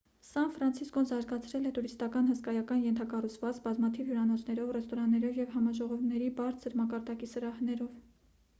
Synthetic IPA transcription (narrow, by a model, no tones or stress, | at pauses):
sɑnfɾɑnt͡sʰiskɔnzɑɾɡɑt͡sʰɾɛlɛt̪uɾist̪ɑkɑnhəskɑjɑkɑnjɛnt̪ʰɑkɑrut͡sʰvɑt͡sbɑzmɑt̪ʰivjuɾɑnɔt͡sʰnɛɾɔvrɛst̪ɔɾɑnːɛɾɔvjɛvhɑmɑʒɔʁɔvnɛɾibɑɾt͡sʰəɾmɑkɑɾd̪ɑkisəɾɑhnɛɾɔv